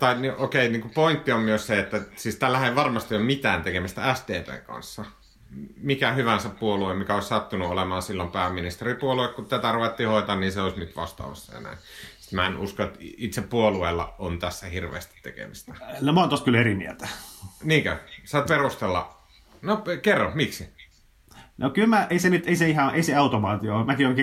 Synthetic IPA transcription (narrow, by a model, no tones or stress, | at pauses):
t̪ɑiniʔokeiniːŋkupoint̪ːiommyøsseet̪ːæsiːst̪ælːæhæeiʋɑrmɑst̪ijommit̪æːnt̪ekemæst̪ææst̪eːpḛːŋkɑ̰nsːɑ | mikæhyʋænsæppuoluemmikæoˑissɑt̪ːunuolemɑːnsilːompæːmːinist̪eripuoluekkut̪t̪æt̪æruʋet̪ːihoit̪ɑnniːnseoisnyt̪ʋɑ̰st̪ɑ̰ːʋɑ̰sːɑ̰jɑ̰næ̰insi̥t̪mæenuskoet̪it̪seppuolueːlːɑ̰ont̪æsːæhirʋḛːst̪i̥t̪t̪ḛkḛmist̪æ̥nomoɑːˑnt̪ost̪kylerimiæ̰t̪æ̥niːŋkøsɑˑt̪perust̪elːɑ̰ | nopekerːomiksi | nʔokylmæʔeisenyt̪eiseihɑʔeiseɑut̪omɑːt̪iomækioŋk